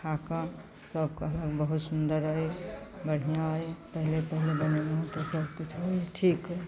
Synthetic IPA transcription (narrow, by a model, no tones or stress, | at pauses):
kʰakə̃ | səbkəɦləɡbəɦut̪sund̪əɾəjbəɽ̤ijãɦəjpəɦilepəɦilebəneməɦut̪esəɾkut͡ʃʰojʈʰikɦəj